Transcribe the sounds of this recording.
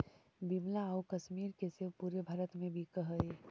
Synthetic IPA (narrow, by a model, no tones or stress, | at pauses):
bimlaokəʃmiːɾkesepuːɾebʱɐɾət̪mẽbʱikəɦəe